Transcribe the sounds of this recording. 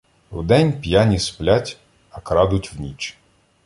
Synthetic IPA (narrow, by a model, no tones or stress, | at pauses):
wd̪ɛnʲpʲjanʲisplʲatʲ | ɐkɾɑd̪ʊtʲwnʲit͡ʃ